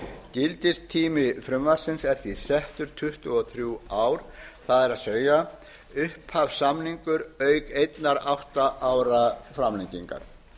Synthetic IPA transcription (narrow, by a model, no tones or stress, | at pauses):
cɪlt̪ɪst̪ʰiːmɪfɾʏmvḁsɪnsɛɾ̥θisɛht̪ʏɾ̥t̪ʰʏht̪ʏɔθɾjuaːwɾ̥θaðɛɾaðsœːja | ʏhphavsamniŋkʏɾœːɥkejt̪naɾawht̪aʔaːwɾafɾamliɲciŋka̰ɾ̥